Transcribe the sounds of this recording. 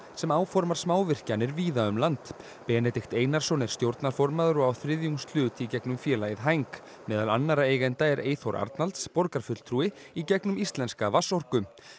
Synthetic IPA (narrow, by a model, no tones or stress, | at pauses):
sɛmaːwfɔɾmaɾ̥smaːwvɪr̥canɛɾviːðaʏmlant̪ | pɛːnɛt̪ɪxt̪eːjnaɾ̥sɔnɛɾ̥st̪jowɾt̪naɾ̥fɔɾmaðʏɾʏawθɾɪðjuŋst̪l̥ʏːt̪icɛknʏmfjɛːlajɪðɦajŋk | mɛːðalanːaɾaeːjɣɛnt̪aɛɾḛːjθɔɾʔa̰ɾt̪nalt̪spɔɾkaɾ̥fʏt̪l̥t̪ʰɾuːɪ | icɛknʏmist̪lɛnskavasɔr̥kʏm